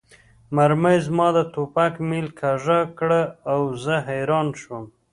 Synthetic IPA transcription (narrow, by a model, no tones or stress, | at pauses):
maɾməjzmɑd̪ət̪opakmilkʰaʐakɽəawzəɦajɾɑnʃwəm